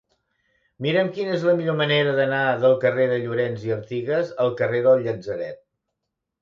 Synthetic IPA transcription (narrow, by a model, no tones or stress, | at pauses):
miɾəmkinəezləmiʎoməneɾəðənaðəlˠkəreðəʎuɾɛnziəɾt̪iɣəzəlˠkəreðəlˠʎəzəɾɛ̰t̪̚